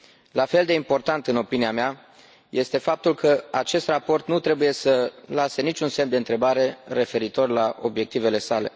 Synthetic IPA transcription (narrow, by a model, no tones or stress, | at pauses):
lafe̞ld̪e̞impo̞rt̪ant̪ɨno̞piniamea | jʔe̞st̪e̞fap̚t̪ulkʰəat͡ʃe̞st̪rapo̞rt̪nut̪ɾe̞buje̞səlase̞nit͡ʃʲunse̞md̪e̞ɨnt̪ɾe̞baɾe̞re̞fe̞ɾit̪o̞rlaʔo̞̰bje̞k̚t̪ive̞le̞sale̞̰